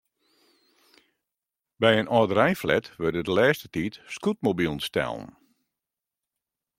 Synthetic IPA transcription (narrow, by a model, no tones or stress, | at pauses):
bɛjənɔːdəɾɛjflɛ̰tʋødədəlɛːstətitskut̚mobilˠnstɛ̰lˠn̩